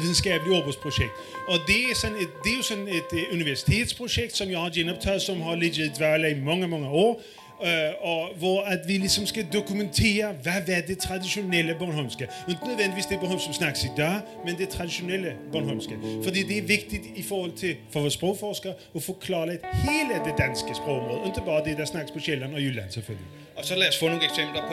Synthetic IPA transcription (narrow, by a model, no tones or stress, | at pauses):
ɪn̩skɑːplɪoːbəspʰɾʊʃɛk̚t̪ɔd̪ɛæɾsɔnːɛt̪d̪ɛæɾjʊsɔnːɛt̪ʉnɪʋæsɪ̥t̪ʰeːt̪spʰɾʊʂɛk̚t̪sɔmjæɪhɑjɛnɔp̚t̪ʰɑlsɔmɦɑlɪd͡ʒɪt̪ʋæləɪmɑŋːəmɑŋːəoːɾ | ɔʋɔat̪ʋɪlɪksɔmskɑd̪ʊkʉmɛnt̪ʰeːɾəʋaʋɛd̪ɛt̪ʰɾɑd̪ɪʃʊnɛlːəbɑnhɔnskəɔɪ̃nənœd̪ʋɛnɪʋiːsd̪ɛt̪̚bəɦøːʋsɔmsnɑkːsɪd̪ɑː | mɛnd̪ɛt̪ʰɾɑd̪ɪʃʊnɛlːəbɑnɦɔnskəfɔd̪iːd̪ɛæɾʋɪkt̪ɪt̪ɪfɔɾhɔlt̪ʰɪlfɔʋoːspʁoːkfɔʁskəɾ | ɔfoːkʰlɑːɾəɛt̪heːləd̪ɛd̪anskəspʁoːkɔmʁoːd̪əɔɪnt̪əbɑːʁəd̪ɛd̪ɛæsnɑkːəspʰɔɕɛlːənɔjʉla̰nsɛlfœlɡəlɪ | ɔsɔlɛːsfɔnuːɛksɛmplɐpʰ